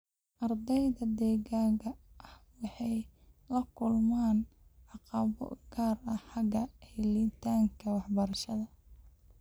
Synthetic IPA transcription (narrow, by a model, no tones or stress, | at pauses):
ʔɐrd̪ɛjðɐd̪ɛːɣaːŋkʰɐʔɐhwɑħɑjlɐkʰʊlmaːnʕɑqɑβɔ̰ɡaːrɐħɑɡɐhɪlit̪ʰaːŋkʰɐwɑħbɐɾɐʃɐðɐ